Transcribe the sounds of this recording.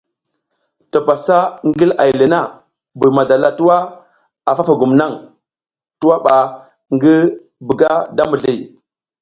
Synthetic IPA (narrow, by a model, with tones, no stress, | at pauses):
ta˨pa˨sa˦ŋɡi˦la˨jlə˨na˦˨ | bu˨ma˨da˨la˦tu˦wa˦ | a˨fa˦fa˨ɡu˨mna˦˨ŋ | tu˦wa˦ɓa˨ | ŋɡi˦ | bi˨ɡa˦da˦mu˨ɮi˦˨